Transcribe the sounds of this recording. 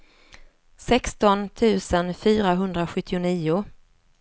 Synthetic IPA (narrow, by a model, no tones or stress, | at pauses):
sɛkst̪ɔnt̪ʰʉ̟ːsənfyːɾaɦɵnd̪ɾaɧɵt̪ʰːɪʊniːʊ